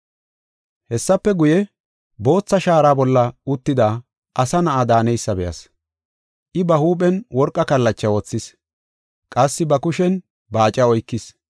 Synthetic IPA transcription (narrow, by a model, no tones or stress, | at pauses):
hɛsːɐpːɛɡʊjɛ | bo̞ːt͡sːɐʃaːɾaːbɔlːɐʊt̪ːɪd̪aː | ʔɐsɐnɐʔad̪aːnɛjsːɐbɛjɐ̰s | ʔɪbɐhuːp̬ʼɛnwɔɾkʼːɐkɐlːɐt͡ʃːɐwɔt͡sːɪs | kʼɐsːɪbɐkʊʃɛn | bɐːt͡ʃʼɐɔjkːɪs